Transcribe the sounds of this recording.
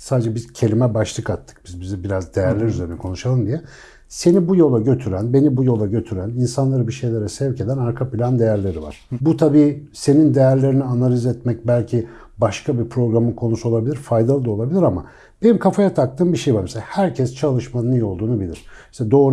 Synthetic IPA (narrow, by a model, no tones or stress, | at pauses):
saːd̪ed͡ʒɛbizcʰe̞lʲimɛbaʃlˠɯkat̪ʰːɯ̥k̚bizbizibiɾazd̪e̞jæɾlʲæɾyze̞ɾinɛkʰo̞nuʃalˠɯnd̪ijɛ | se̞nibujo̞lˠaɟø̞t̪ʰyɾænbe̞nibujo̞lˠaɟø̞t̪ʰyɾæninsanlˠaɾɯbiʃe̞jlʲeɾɛsɛvce̞d̪ænaɾkʰapilʲand̪e̞jæɾlʲe̞ɾiva̰ɾ̥but̪ʰabiːse̞nind̪e̞jæɾlʲe̞ɾinianalʲizɛt̪mɛc̚bælʲcʰi | baʃkʰabipʰɾo̞ɡɾamɯnkʰo̞nusuo̞lˠabilʲiɾfajd̪alˠɯolˠabilʲiɾama̰ | b̥e̞nimkʰafajat̪ʰak̚t̪ʰɯːmbiʃejvaɾmɛselahæɾcʰɛst͡ʃʰalˠɯʃmanɯnijo̞lˠd̪uːnubilʲḭɾ̥iʃt̪ʰɛd̪o̞ː